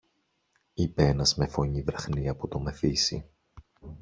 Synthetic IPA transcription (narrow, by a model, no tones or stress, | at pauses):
ipeenɐzme̞fo̞ɲivɾɐxniɐpot̪ome̞fisḭ